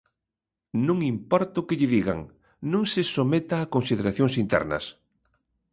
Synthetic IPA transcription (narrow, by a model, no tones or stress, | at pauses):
nũŋimpɔɾt̪ʊkɪʎɪðiɣa̰ŋ | nõŋsɪsomet̪aːkonsiðeɾaθjoŋsint̪ɛ̰ɾnɐ̰s